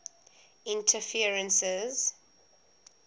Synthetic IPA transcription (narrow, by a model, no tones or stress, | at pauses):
ɪ̃ntʰəfiəɹə̃nsɛz̥